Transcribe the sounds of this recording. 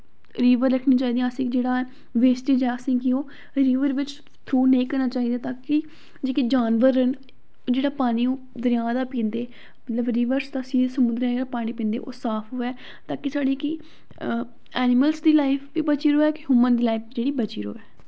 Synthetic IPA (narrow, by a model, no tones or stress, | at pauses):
ɾiːʋəɾɾəkʰniːt͡ʃaːiːd̪ijãːəsĩːkd͡ʒeːɽaː | ʋeːsʈiːd͡ʒɛːəsĩːkɪoː | ɾiːʋəɾʋɪt͡ʃ | t̪ʰɾuːnẽĩːkəɾnaːt͡ʃaːɦiːd̪aːt̪aːkɪ | d͡ʒeːkid͡ʒaːnʋəɾːənː | d͡ʒeːɽaːpaːɽ̃iːõː | d̪əɾɪjãːd̪aːpĩːnd̪eː | mət̪ləbɾiːʋəɾst̪aəsĩːsəmʊd̪ɾãːd͡ʒeːɽaːpaːɽ̃ĩːpĩːnd̪ḛːʔo̰ːsaːpʰɦoːɛː | t̪aːkisaːɽiːki | ɛːnɪməlsd̪iːlaːɪpʰʋiːbət͡ʃiːɾoːɛːkɪɦʊːmənd̪iːlaːɪp̚d͡ʒeːɽiːbət͡ʃḭːɾo̰ːɛː